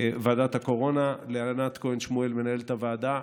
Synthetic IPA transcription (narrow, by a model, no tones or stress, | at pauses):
vaːd̪at̪hako̞ʁo̞nalealanat̪koenʃmue̞lme̞nae̞lt̪avaːd̪a